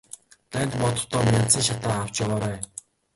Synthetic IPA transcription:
t̪æːnʲt̪mɔt̪ɞ̆χt̪ʰɔːmʲjant͡sĭŋʃat̪aːw̥t͡ɕjaʁaːɾæː

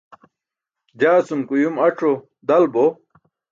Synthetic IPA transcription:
d͡ʑaːsumkujumɐʈ͡ʂʰo | d̪ɐlbo

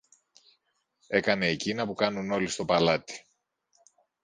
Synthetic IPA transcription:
e̞kɐne̞ːcinɐpukɐnuno̞list̪o̞pɐlɐt̪i̥

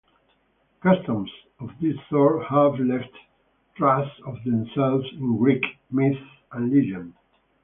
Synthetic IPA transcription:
kʌstə̃ms | ɔvðɪsθɔɹhavlɛft | tɹasɔvðɛ̃msɛlvzɪ̃nɡɹik | mɪθ | ʔãnlid͡ʒə̃n

